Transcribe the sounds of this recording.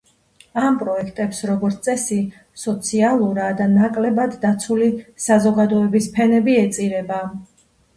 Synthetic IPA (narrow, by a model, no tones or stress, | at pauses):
ampʼɾɔɛkʰt̪ʼɛpsɾɔɡɔɾt̪ʼɛsi | sɔt̪sʰialˠuɾad̪anakʼlɛbad̪ːat̪sʰulisazɔɡad̪ɔɛbispʰɛnɛbiɛt̪sʼiɾɛba